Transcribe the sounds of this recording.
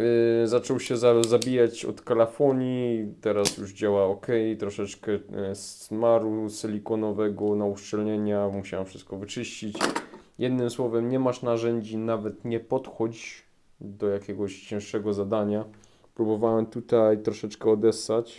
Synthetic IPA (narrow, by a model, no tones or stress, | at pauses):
zat͡ʂɔwɕɛzazabʲijat͡ɕɔ̰t̪kalafɔɲit̪ɛɾasjuʐd͡ʑawaɔkɛjt̪ɾɔʂɛt͡ʂkɛsmaɾusɛlʲikɔnɔvɛɡɔnauʂt͡ʂɛlɲɛɲamuɕawɛmfʂɘ̥st̪̚kɔvɘt͡ʂɘɕt͡ɕit͡ɕjɛd̪nɘmswɔvɛmɲɛmaʂnaʐɛɲd͡ʑinavɛt̪ɲɛpɔt̪xɔd͡ʑ | d̪ɔjakʲɛɡɔɕt͡ɕɛ̃ʂɛɡɔzad̪aɲa | pɾubɔvawɛmt̪ut̪ajt̪ɾɔʂɛt͡ʂkɛɔd̪ɛsːat͡ɕ